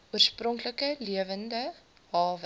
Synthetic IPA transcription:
uərsprɔŋkləkəliəvəndə | ɦɑːvə

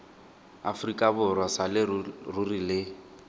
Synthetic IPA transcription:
a̰frikʼabʊrwasalɪrurilɪ

